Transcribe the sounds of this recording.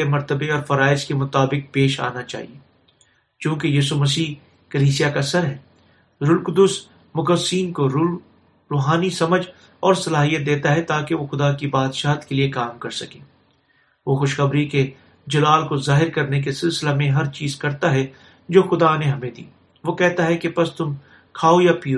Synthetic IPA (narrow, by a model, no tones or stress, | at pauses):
emɐɾt̪əbeɔːɾfɐɾaːɪskemʊt̪aːbɪk̚peːʃa̰ːnat͡ʃa̰ːɦḭeː | t͡ʃjõːkejiːsumɐsiː | kɐliːsijakasɐɾɦɛː | ɾʊlkʊd̪ʊs | mʊkəsiːnkoɾ | ɾoːɦaːnisɐməd͡ʒʱ | ɔːɾsɐlaːɦijət̪̚d̪eːt̪aɦɛt̪aːkeʋoxʊd̪akibaːd̪ʃaːɦt̪keliekaːmkɐɾsɐkẽː | ʋoxʊʃxɐbɾike | d͡ʒɐlaːlkozaːɦɪɾkɐɾnek̬esɪlsɪlemẽɦɐɾt͡ʃiːzkɐɾt̪aɦɛ | d͡ʒoːxʊd̪aneɦɐmẽd̪ḭː | ʋoːkɛɦt̪aɦɛkepɐst̪ʊm | kʰaːojapiːo